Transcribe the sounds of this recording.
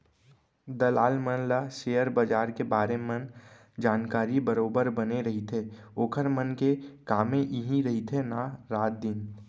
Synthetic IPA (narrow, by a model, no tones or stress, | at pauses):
d̪ɐlaːlmənlaʃeːəɾbəd͡ʒaːɾkebaːɾemən | d͡ʒaːnkaːɾibəɾoːbəɾbɐneɾɐɦit̪ʰeoːkʰəɾmənkekaːmẽʔiɦiɾɐɦit̪ʰenaɾaːt̪̚d̪ɪn